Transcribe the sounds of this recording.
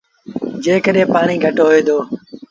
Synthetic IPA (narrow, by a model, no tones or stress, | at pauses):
d͡ʒeːkəɗẽːpaːɳiːɡʱəʈoːɦeːd̪oː